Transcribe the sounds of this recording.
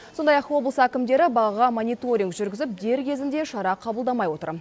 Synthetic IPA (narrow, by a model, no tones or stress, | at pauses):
so̞nd̪ɑjɑqwo̞blˠəsækʲɪmd̪e̞ɾɪbɑʁɑʁɑmonijt̪o̞ɾʲiŋkʒʏɾɡʲɪzɪp̚d̪e̞ɾkʲʰe̞zɪnd̪e̞ʃɑɾɑqʰɑbəlˠd̪ɑmɑjwo̞t̪ə̰ɾ